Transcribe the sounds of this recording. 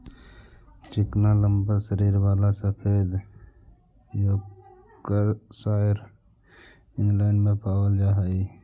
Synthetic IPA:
t͡ʃɪknaləmbəsəɾiɾbaːlasəpʰed̪ | jo | kəɾsaəɾ | ɪŋlaɪnmẽpaːwəld͡ʒaɦə

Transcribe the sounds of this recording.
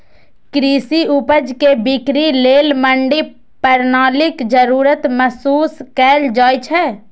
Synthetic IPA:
kɾiːsiʊpəd͡ʒkebɪkɾileːlməɳɖi | pəɾnaːlɪkd͡ʒəɾuːɾət̪mɛsuːskɛːld͡ʒaːjt͡ʃʰɛː

